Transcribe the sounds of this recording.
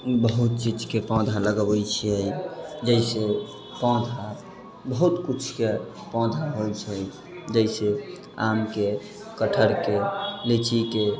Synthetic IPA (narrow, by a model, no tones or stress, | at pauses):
bəɦut̪̚t͡ʃid͡ʒkepɔ̃d̪ʱaləɡəbəjt͡ʃʰiəjd͡ʒəjse | pɔ̃d̪ʱa | bəɦut̪kut͡ʃʰke | pɔ̃d̪ʱaɦojt͡ʃʰɛj | d͡ʒəɪse | amke | kəʈʰəɾkelit͡ʃʰike